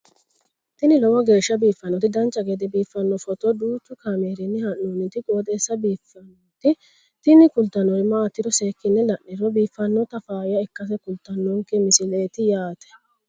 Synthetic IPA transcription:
t̪ɪnɪlɔwɔɡe̞ːʃːɐbiːfːɐnːɔt̪ɪd̪ɐnt͡ʃːɐɡed̪ɛbiːfːɐnːɔfɔt̪ɔd̪uːt͡ʃ̪ːʊkɐmeːɾɪnːɪhɐnːunːɪt̪ɪɡoːd̪eːsːɐbiːfːɐnɔt̪ɪ | t̪ɪnɪkʊlt̪ːɐnːɔɾɪmaːt̪ːɪɾɔseːkːɪnːɛlɐʔɪɾɔbiːfːɐnːɔt̪ɐfaːjɐɛkːɐs̬ɛkʊlt̪ːɐnːɔŋkɛmɪsɪleːt̪ɪjaːt̪ɛ̥

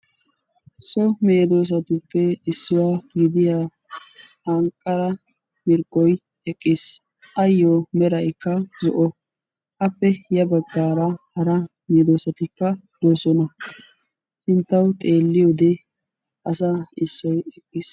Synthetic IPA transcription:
sɔmeːd̪o̞ːs̬ɐt̪ʊpːɛɪsːʊwaːɡɪd̪ɪja | hɐŋkʼːɐɾɐ | mɪɾkːɔj | ɛkʼːɪs | ʔɐjːɔmɛɾɐjkːɐzɔ̰ʔɔ | ʔɐpːɛjɐbɐɡːaːɾɐhɐɾɐ | meːd̪oːsɐt̪ɪkːɐd̪̥oːsɔnɐ | sɪnt̪ːɐwt̪ʼe̞ːlːɪjod̪ɛ | ʔɐsaːɪsːɔjɛkʼːɪs

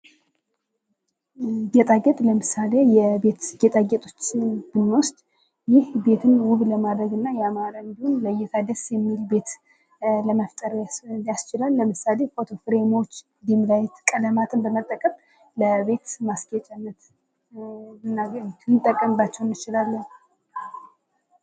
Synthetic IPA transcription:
ɡɛt̪ʼaɡɛt̪ʼləmɨsale̞jɛbe̞t̪ɡ̥et̪ʼaɡɛt̪ʼo̞t͡ʃːɪb̥ɨnːwʊst̪ʼ | jɪhbe̞t̪ʰɨnwuβləmad̪ɾəɡɨnːajɛamaɾaɨnd̪ihonləjɪt̪ʰad̪əsjɛmːilbe̞t̪ | ləmaft̪ʼəɾjast͡ʃɪlalːəmɨsale̞fot̪ʰo̞fɨɾemowt͡ʃː | d̪imd̪ajɛt̪kʼələmat̪ʰɨnbəmət̪ʼːəkʼəm | ləbe̞t̪masɡɛt͡ʃʼɛnːət̪ | ɨnːaɡt̪ʰɨnt̪ʼːəkʼːəmbat͡ʃːɛwnːɨt͡ʃɪlalːən

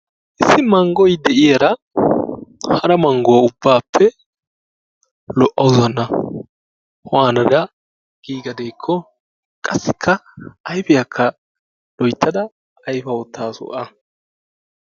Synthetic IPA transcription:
ʔɪsːɪmɐŋɡɔjd̪ɛʔɪjɐɾɐ | hɐɾɐmɐŋɡɔwɐʊbːaːpʰːɛ | lɔʔːɐwzɐnːɐ | hɔwaːnɐd̪ɐ | ɡ̥iːɡɐd̪ejkʰːɔ | kʼɐsːɪkʰːɐʔɐjfɪjɐkʰːɐ | l̥ɔjt̪ːɐd̪ɐ | ɐjfɐwɔt̪ːaːsɔ̰ʔɐ

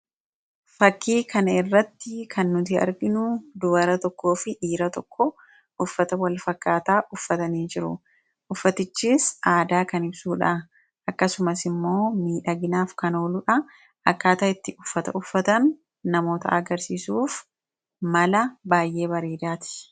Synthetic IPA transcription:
fɐkːiːkɐnɐɪrːɐt̪ːɪkʰɐnːʊt̪ɪɐ̰ɾɡɪnʊd̪ʊbɐɾɐt̪ɔkːo̞ːfɪʔiːɾɐt̪ɔkʰːɔ | ʔʊfːɐt̪ɐwɐlfɐkːaːt̪aːʔʊfːɐt̪ɐniːnd͡ʒɪɾʊ̰ | ʔʊfːɐt̪ɪt͡ʃːiːsʔaːd̪aːkɐnɪbsuːᶑɐ | ʔɐkːɐsʊmɐsɪmːo̞ːmiːᶑɐɡɪnaːfkɐnoːlʊᶑɐ | ʔɐkːaːt̪ɐɪt̪ːɪʊfːɐt̪ɐ̰ʊfːɐt̪ɐnː | ɐmo̞ːt̪ɐ̰ʔɐɡɐɾsiːsuːf | mɐlɐbaːjʔe̞ːbɐɾeːd̪aːt̪ɪ̥

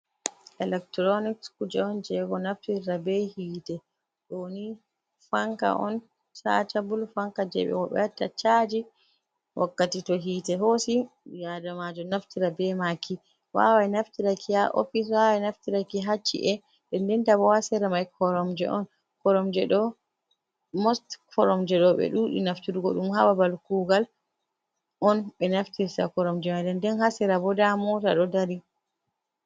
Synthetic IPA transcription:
ʔɛlɛk̚tɾɔnikskud͡ʒɛɔnd͡ʒɛɡɔnaftiɾabɛhiːtɛ | ɗoni | faŋka̰ʔɔ̰n | sa̰tabulfaŋkad͡ʒɛ̰ɓɛ̰wɔɓɛtːat͡ʃad͡ʒi | wʔakːatitɔɦiːtɛɦosijadamad͡ʒɔnaftiɾabɛmakʰi | wa̰wajnaftiɾakʰijaʔo̰fis̬wawajnaftiɾakiɦat͡ʃːḭʔɛ | ɗɛndɛntabɔhasɛɾamajkʰɔɾɔmd͡ʒɛ̰ʔɔ̰n | kɔɾɔmd͡ʒɛɗɔ | mɔstkɔɾɔmd͡ʒɛɗɔɓɛ̰ɗuɗḭnaftiɾuɡɔ̰ɗumhababalkuɡal | ʔɔnɓɛnaftiɾtakɔɾɔmd͡ʒɛmajdɛndɛnhasɛɾabɔdamɔta̰ɗɔdaɾi

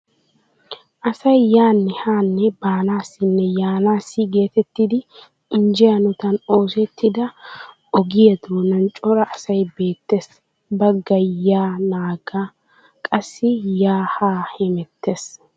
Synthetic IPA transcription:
ʔɐsɐjjaːnːɛhaːnːɛbaːnaːsːɪnːɛjaːnaːsːɪɡe̞ːt̪ɛt̪ːɪd̪ɪ | ɪnd͡ʒɛjɐnɔt̪ɐno̞ːsɛt̪ːɪd̪ɐ | ɔɡɪjɐd̪uːnɐnt͡ʃʼɔɾɐʔɐsɐjbe̞ːt̪ːeːs | bɐɡɐjːaːnaːɡa | kʼɐsːɪjaːhaːhɛmɛt̪ːeːs

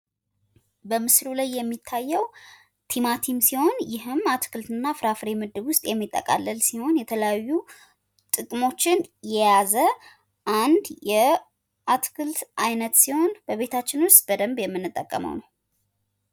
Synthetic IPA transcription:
bəmɨsɾulajːɛmːit̪ʰːajːɛw | t̪ʰimat̪ʰimsiho̞njɪɦɨmːat̪kʰɨlt̪ɨnːafɾafɾemɨd̪ːɨbwʊst̪ʼjɛmːit̪ʼːə̰kʼa̰lːəlsiho̞njɛt̪ʰələjajːu | t̪ʼɨkʼmo̞t͡ʃːɪnjɛjazə | ʔand̪jɛ | ʔat̪kʰɨlt̪ʔajnət̪siho̞nbəβe̞t̪ʰat͡ʃːɪnwʊst̪b̥əd̪əmbjɛmːɨnːɨt̪ʼːəkʼːə̰mə̰wnəw

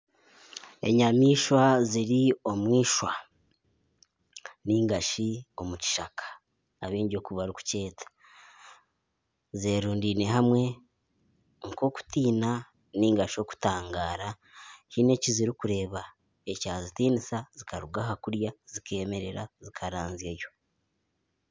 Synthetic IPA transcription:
e̞̰ɲamiːʃwaziɾio̞mwiːʃwa | niːŋɡaʃio̞muci̥ʃakʰḁː | βiːɲɟo̞ːkuβaɾuku̥ce̞ːtʰḁ | zeːɾuːndiːne̞ɦamwe̞ | ŋko̞ːku̥tiːna | niːŋɡaʃijo̞ːku̥taːŋɡaːɾa | hine̞ciziɾikuɾe̞ːβa | ecaːzitiːnisazikʰaɾuɡaɦakuɾjazike̞ːme̞ɾe̞ɾazikʰaɾaːnzjejo̞

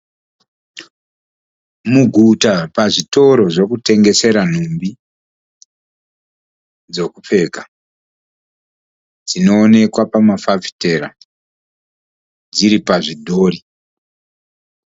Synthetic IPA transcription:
muɡʱutapaʐito̞ɾo̞ʐo̞kute̞ŋɡe̞se̞ɾan̤umbi | d͡zo̞kup͡fe̞ːka | d͡zino̞ːne̞kwapamafavi̥te̞ɾa̰ | d͡ziɾipaʐidʱo̞ːri

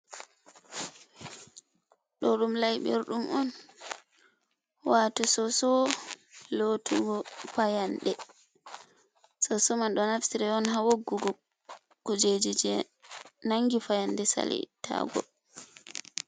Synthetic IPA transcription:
ɗɔɗumlajɓɛ̰ɾɗumʔɔn | waːtɔsɔsɔ | lotuɡɔfajanɗɛ | sɔsɔmanɗɔnafsiɾɛɔnɦawoɡːuɡɔ | kɔd͡ʒed͡ʒid͡ʒɛ | naŋɡifajandɛsa̰lɛ̰tʰa̰ɡɔ̰

